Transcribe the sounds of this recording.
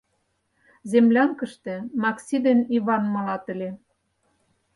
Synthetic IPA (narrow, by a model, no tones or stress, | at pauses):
zemlʲɑŋkə̆ʃt̪ĕmɑksʲid̪eniβɑnmɤ̆lɑt̪ə̆lʲe